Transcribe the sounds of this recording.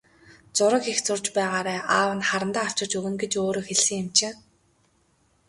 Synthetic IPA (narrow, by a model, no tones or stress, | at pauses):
t͡sʊɾə̆kext͡sʊrt͡ɕpæːʁaːɾæːʔaːwə̆nχaɾə̆nt̪aːaw̥t͡ɕɪ̆t͡ɕɵɣɘ̆ŋɡet͡ɕoːɾoːxeɮsɘ̆ŋjamt͡ɕeː